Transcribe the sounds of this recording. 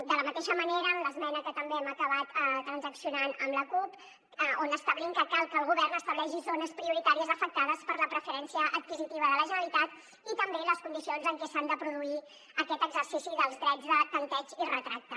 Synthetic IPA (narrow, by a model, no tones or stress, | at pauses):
d̪ələmət̪eʃəməneɾəːmləzmɛnəkət̪əmbeɛməkəβat̪ət̪ːɾənzəksiunanəmləkup | onəst̪aβliŋkakalˠkəːlˠɣuβɛrnəst̪əβlɛʒizonəspɾiuɾit̪aɾiəzəfək̚t̪aðəspəɾləpɾəfəɾɛnsiəʔət̪̚kizit̪iβəðələʒənəlit̪at̪ | it̪əmbeləskund̪isionzəŋkɛsand̪əpɾuðui | əkɛt̪əɡzərsisiðəlˠzɣɾɛd͡zðətənt̪ɛd͡ʒirət̪ɾak̚t̪ə